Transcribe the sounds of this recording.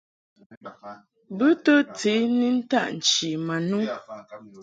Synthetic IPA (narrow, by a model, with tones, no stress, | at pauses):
bʉ˦to˦t͡si˨˦ni˦n̩˦ta̰˦ʔn̩˨t͡ʃi˨ma˨nu˦